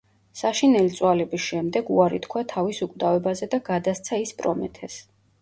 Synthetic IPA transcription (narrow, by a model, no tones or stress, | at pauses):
saʃinɛlit̪sʼwalɛbisʃɛmd̪ɛɡuaɾḭt̪ʰkʰwat̪ʰavisukʼd̪avɛbazɛd̪aɡ̥ad̪ast̪sʰaispʼɾɔmɛ̰t̪ʰɛs